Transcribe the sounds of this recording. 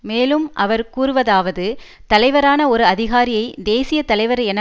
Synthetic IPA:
meːlɯmʔɐʋɐɾkuːɾɯʋɐðaːʋɐðɯ | t̪ɐlɐɪʋɐɾaːnɐɔɾɯɐðɪɣaːɾɪjɐɪd̪eːsɪjɐt̪ɐlɐɪʋɐɾɐɛnɐ

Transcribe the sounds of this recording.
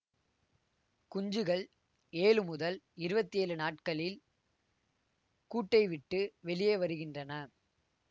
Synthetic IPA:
kʊɲd͡ʒɯɣɐɭ | eːlɯmʊðɐlɪɾɯbɐt̪ːieːlɯnaːʈkɐɭɪl | kuːʈːɐɪʋɪʈːɯʋɛɭɪjeːʋɐɾɯɣɪndrɐnɐ

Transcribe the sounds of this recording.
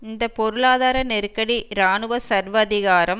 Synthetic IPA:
ɪnd̪ɐpɔɾɯɭaːðaːɾɐnɛɾɯkːɐɽiɾaːɳɯʋɐsɐɾʋɐːðɪɣaːɾɐm

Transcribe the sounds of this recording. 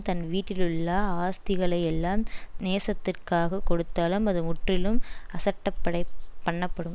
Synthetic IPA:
t̪ɐnʋiːʈːɪlɯɭːɐaːst̪ɪɣɐɭɐɪjɛlːaːmneːsɐt̪ːɪrkaːɣɐkɔɽɯt̪ːaːlɯmɐðɯmʊʈrɪlɯmɐsɐʈːɐpːɐɽɐɪpːɐɳːɐpːɐɽɯm

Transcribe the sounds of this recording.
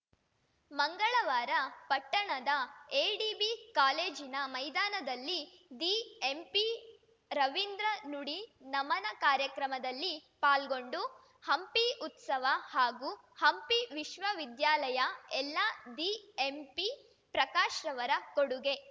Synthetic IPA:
mɐŋɡɐɭɐʋaːɾɐpɐʈːɐɳɐd̪ɐeːɖibikaːle̞ːd͡ʒinɐmɐjd̪aːnɐd̪ɐlːid̪iempi | ɾɐʋind̪ɾɐnuɽinɐmɐnɐkaːɾjɐkɾɐmɐd̪ɐlːipaːlɡo̞ɳɖu | hɐmpiut̪sɐʋɐhaːɡuː | hɐmpiʋiʃʋɐʋid̪jaːlɐjɐɛlːad̪iempi | pɾɐkaːʃɾɐʋɐɾɐkoɽuɡe̞

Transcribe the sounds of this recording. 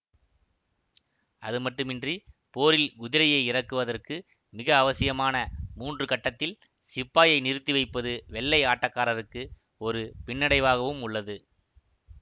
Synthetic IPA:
ɐðɯmɐʈːɯmɪndripoːɾɪlɡʊðɪlɐjɐɪɪrɐkːɯʋɐðɐrkɯ | mɪɣɐːʋɐsɪjɐmaːnɐmuːndrɯkɐʈːɐt̪ːɪl | sɪpːaːjɐɪnɪɾɯt̪ːiʋɐɪpːɐðɯʋɛɭːɐɪaːʈːɐkːaːɾɐɾɯkːɯ | ɔɾɯpɪɳːɐɽɐɪʋaːɣɐʋɯmʊɭːɐðɯ

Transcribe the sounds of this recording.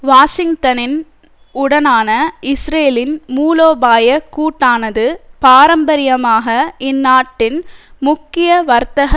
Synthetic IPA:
ʋaːʂɪŋɡt̪ɐnɪn | ʊɽɐnaːnɐɪsɾeːlɪnmuːloːbaːjɐkːuːʈːaːnɐðɯpaːɾɐmbɐɾɪjɐmaːɣɐɪnːaːʈːɪnmʊkːɪjɐʋɐɾt̪ɐɣɐ

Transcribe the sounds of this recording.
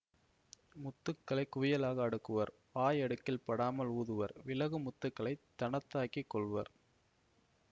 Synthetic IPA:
mʊt̪ːɯkːɐɭɐɪkːʊʋɪjɐlaːɣɐːɽɯkːɯʋɐɾ | paːjɐɽɯkːɪlpɐɽaːmɐluːðɯʋɐɾʋɪlɐɣɯmʊt̪ːɯkːɐɭɐɪt̪ːɐɳɐt̪ːaːkikːɔɭʋɐ̰ɾ

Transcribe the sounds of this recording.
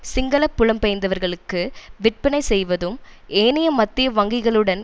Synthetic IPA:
sɪŋɡɐɭɐpːʊɭɐmpɛjɐnd̪ɐʋɐɾɣɐɭɯkːɯʋɪʈ̚pɐnɐɪsɛjʋɐðɯmeːnɪjɐmɐt̪ːɪjɐʋɐŋɡɪɣɐɭɯɽɐn

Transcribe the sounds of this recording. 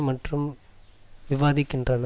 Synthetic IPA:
mɐʈrɯm | ʋɪʋaːðɪkːɪndrɐnɐ

